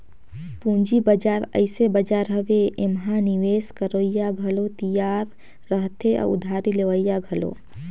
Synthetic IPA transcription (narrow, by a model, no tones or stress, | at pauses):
pũɲd͡ʒibəd͡ʒaːɾə̰ɪsebəd͡ʒaːɾɦəʋeemɦãniʋeːskəɾəijaɡʱəlot̪ijaːɾː | əɦt̪ʰeʔɔ̰ʊ̰d̪ʱaːɾileʋəijaɡʱəlo̰ː